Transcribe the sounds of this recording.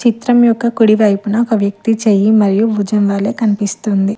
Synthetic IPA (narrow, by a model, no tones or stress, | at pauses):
t͡ʃit̪ɾɐmjɔkːɐkuɽiʋɐjpunɐɔkɐʋjɐk̚t̪it͡ʃeːjimɐɾijuʋud͡ʒɐmʋaːleːkɐnipist̪und̪i